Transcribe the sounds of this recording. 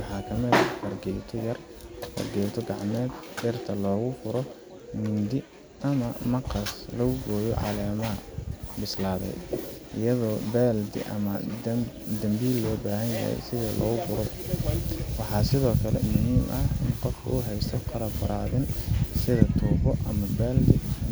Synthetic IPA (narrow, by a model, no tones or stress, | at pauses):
wɑħɑːkʰɐmɪðɐfɐrɡɛjt̪ʰɔjɐr | fɐ̰rɡɛjt̪ʰɔɡɑʕmɛːd̪ɖɛrt̪ʰɐlɔːɣʊfʊɾɔ | mɪnd̪ɪ | ʔɐmɐmɐqɑslɐɣʊɡɔːjɔ̰ʕɑ̰lɛːmɐɦɐbɪslaːðɛ̰jʔɪjɐðɔːbaːld̪ɪ̰ʔɐmɐ | d̪ɐmbiːlːɔːbaːɦɐnjɐ̰hɛ̰jsɪðɐlʔɔ̰ːɣʊbʊɾɔ | wɑħɑːsɪðɔːkʰɐlɛ̰mʊɦiːmʔɐɪnqɔfkʰʊ̰ʊɦɛjst̪ʰɔqʰɑɾɐbɐɾaːðɪnsɪðɐt̪ʰuːbɔʔɐmɐbaːld̪ɪ